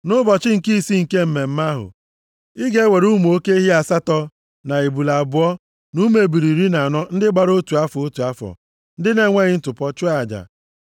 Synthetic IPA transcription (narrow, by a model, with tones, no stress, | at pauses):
nʊ˦bɔ˨t͡ʃɪ˦ŋ̩˨ki˦si˦ŋ̩˨ke˦m̩˦˨me˨m̩˦ma˦ɦʊ̰˨ | i˦ɡe˦we˨ɾu˦mu˨o˦ke˦i˦ɦi˦a˨sa˦tɔ˦ | na˨i˨bu˨la˨bʊ˨˦ɔ˦ | nu˦me˨bi˨ɾi˨ɾi˦na˨nɔ˦n̩˦dɪ˦ɡ͡ba˨ɾo˦tu˨a˦fɔ˨o˦tu˨a˦fɔ̰˨ | n̩˦dɪ˦ne˦ŋʷe˦ɣɪ˦n̩˦tʊ˨pɔ˦t͡ʃʊ˦a˨d͡ʒa̰˨